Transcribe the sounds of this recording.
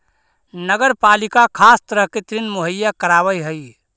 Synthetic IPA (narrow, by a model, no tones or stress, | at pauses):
nəɡəɾpalikakʰast̪əɾəɦket̪ɾinmoɦəjːakəɾaβəjɦəj